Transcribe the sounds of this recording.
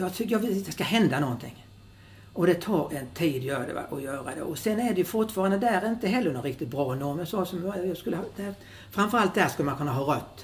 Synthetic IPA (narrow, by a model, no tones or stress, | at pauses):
jɑt̪ʰʏjɑɡvɪd̪ɛskaɦɛnd̪anɔnt̪ʰɪ̰ŋː | ʔɔd̪ɛt̪ʰɑːɾɛnt̪ʰiːd̪jøːɖɛ̰ʔɔjœːɾa̰d̪ɛ̰ʔɔsɛnæɖɛjɵfʊʈfɑːɾand̪əd̪æɾɪnt̪əɦɛlːənɔnɾɪk̚t̪ɪt̪bɾɑːnːɔmɛjɑsɑːsɔmjɑːɡskɵlːəhd̪æ | fɾamfœɾalt̪̚d̪æʂkɵləmankɵnːaɦɑːɾœt̪ː